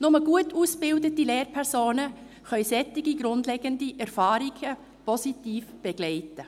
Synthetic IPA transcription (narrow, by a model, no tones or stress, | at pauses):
nʊməɡuətʰusb̥ɪldətileːɾpʰɛɾsoːnə | χœʏsɛtːɪɡiɡɾʊndlɛɡəndiʔɛɾfɑːɾiɡ̥ə | pɔsitiːfb̥ɛɡ̥lɛɪtə